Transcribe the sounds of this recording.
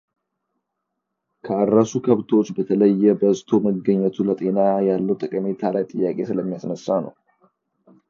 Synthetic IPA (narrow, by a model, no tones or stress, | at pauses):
kʰəarːəsukʰəβt̪ʰo̞t͡ʃːbət̪ʰələjːɛbəzt̪ʰo̞məɡːəɲːɛt̪ʰulət̪ʼe̞najalːəwt̪ʼɨkʼɨmet̪ʰalajt̪ʼɨjːakʼe̞sɨləmːijasnəsːanə̰w